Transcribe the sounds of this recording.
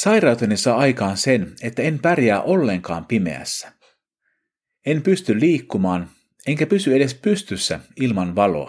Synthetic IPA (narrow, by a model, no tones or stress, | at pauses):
sɑjrɑwt̪enesɑːɑjkɑːnse̞ne̞t̪ːæempærjæːʔo̞lːe̞ŋkɑ̰ːmpime̞̰æ̰sːæ̥ | empyst̪ylliːkːumɑːn | e̞ŋkæpysyeɾe̞spyst̪ysːæ̰ilmɑnʋɑlo̞̰ɑ̰